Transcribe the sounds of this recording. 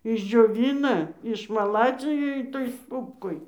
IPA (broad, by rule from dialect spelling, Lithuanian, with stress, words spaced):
ɪʒʲd͡ʒʲoːˈʋʲɪnɐ ɪʃmɐˈlˠɑːd͡zʲɪjɛ ɪˈtoːj ˈstuːpkoːj